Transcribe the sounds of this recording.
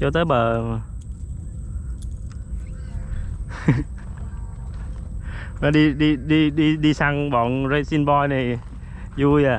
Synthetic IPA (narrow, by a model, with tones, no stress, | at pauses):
t͡ɕɔ˧t̪əː˨˦jɓəː˨˩ | maː˨˩ɗi˧ɗi˧ɗi˧ɗi˧ɗi˧sa˧ŋɓɔ˨˩nzə˧si˧nɓɔ˧jna˨˩j | zu˧jaː˨˩